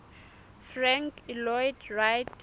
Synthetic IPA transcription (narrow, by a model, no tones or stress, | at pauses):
fraŋkilɔjdrajt